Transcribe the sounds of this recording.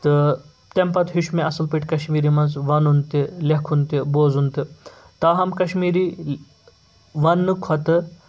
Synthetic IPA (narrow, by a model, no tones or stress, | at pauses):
t̪ɨ | t̪empɐt̪ɦiʃmeɐsɨlpiʈʲkɐʃmiːɾimɐnzʋɐnunt̪ilekʰunt̪iboːzunt̪i | t̪ɐːɦɐmkɐʃmiːɾi | ʋɐnːɨkʰɔt̪ɨ